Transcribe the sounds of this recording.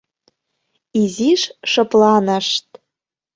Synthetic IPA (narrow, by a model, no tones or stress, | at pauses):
iziʃʃɤ̆plɑnə̆ʃt̪̚